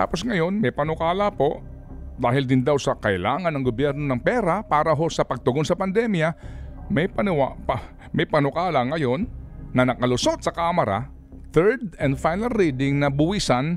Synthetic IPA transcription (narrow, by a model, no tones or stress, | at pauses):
t̪a̰ːposŋɐjo̞nmɐjpɐnʊkaːlapo̞ʔd̪aːɦɪld̪ɪnd̪awsɐkɐʔɪlaːŋɐnːɐŋɡobjɛɾno̞nɐŋpɛːɾapaːɾɐɦo̞sɐpɐɡ̚t̪ʊɡonsɐpɐnd̪ɛmjɐmɐjpɐnwap | mɐjpɐnʊkaːlɐŋɐjo̞nːɐnɐkɐlʊsot̪̚sɐkaːmɐɾa̰ | θɛɹd̪ɛnd̪fajnɐlɾid̪ɪŋnɐbʊwiːsɐn